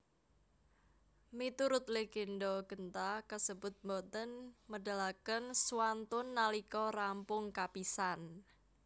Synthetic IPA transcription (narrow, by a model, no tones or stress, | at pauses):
mit̪uɾʊt̪̚leɡ̥enɖɔɡ̥ənt̪akəsəbʊt̪̚mɔt̪ənməda̤lakənswant̪ʊnːalikɔrampʊŋkapisan